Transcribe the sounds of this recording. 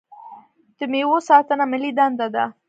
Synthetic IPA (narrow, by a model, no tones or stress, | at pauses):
t̪əmewosɑt̪ənamɪlid̪and̪ad̪a̰